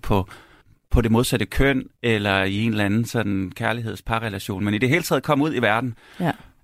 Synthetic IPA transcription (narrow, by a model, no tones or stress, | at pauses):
pʰɒ̽ | pʰɒ̽d̥e̝mo̝ð̞ˠsæd̥əkʰøn̰elɐie̝nlænn̩sɒ̽n̥n̩kʰæɐliɦe̝ð̞̰ˠspʰɑ̈ʁɛlæɕo̝̰ːnmenid̥e̝ɦe̝ːlət͡sʰɛ̰ːðˠkʰɒ̽m̰uð̞̰ˠiʋæɐd̥n̩